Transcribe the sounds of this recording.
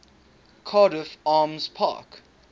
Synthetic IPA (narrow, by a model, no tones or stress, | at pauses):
kʰɑːɾəfaːmz̥pʰa̰ːk